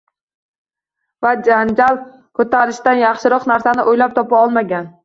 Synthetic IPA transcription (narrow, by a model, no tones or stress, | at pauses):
vad͡ʒand͡ʒalˠ | kʰɵt̪ʰaɾɪʃt̪anjɑχʃɪɾɒqnaɾsanɪʔojlap̚t̪ʰɒpaɒlˠmaɡʲan